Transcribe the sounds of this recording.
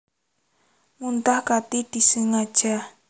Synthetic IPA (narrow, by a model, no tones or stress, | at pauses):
ŋunt̪ahkat̪id̪̥i̤səŋad̥ʒ̥a